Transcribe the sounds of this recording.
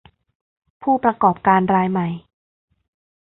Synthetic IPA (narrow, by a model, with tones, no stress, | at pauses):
pʰuː˥˩pɾa˧kɔː˨˩p̚kaː˧nɾaː˧jma˨˩j